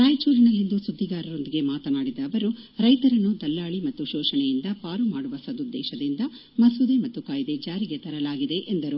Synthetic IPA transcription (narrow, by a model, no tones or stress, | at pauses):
ɾaːjt͡ʃuːɾinɐlːind̪usud̪ʱːiɡaːɾɐɾo̞nd̪iɡe̞maːt̪ɐnaːɽid̪ɐːʋɐɾuɾɐjt̪ɐɾɐnːud̪ɐlːaːɭimɐt̪ːuʃɔːʃɐɳɛjind̪ɐpaːɾumaːɽuʋɐsɐd̪ud̪ːɛːʃɐd̪ind̪ɐ | mɐsud̪emɐt̪ːukaːjid̪ed͡ʒaːɾiɡe̞t̪ɐɾɐlaːɡid̪e̞ʔend̪ɐɾu